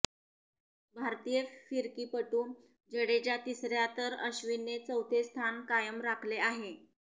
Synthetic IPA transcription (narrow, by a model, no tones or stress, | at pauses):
bʱaɾt̪ijəfiɾkiːpəʈuː | d͡ʑəɽed͡ʑjat̪isɾjat̪əɾəɕʋinːet͡səwt̪ʰest̪ʰankajəmɾakʰleaɦe